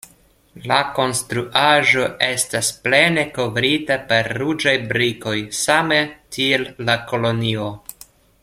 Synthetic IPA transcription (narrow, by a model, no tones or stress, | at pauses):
lako̞nstɾuʔaʒo̞ʔe̞stasple̞ne̞ko̞vɾitape̞ɾːud͡ʒajbɾiko̞jsametʰielːako̞lo̞nio̞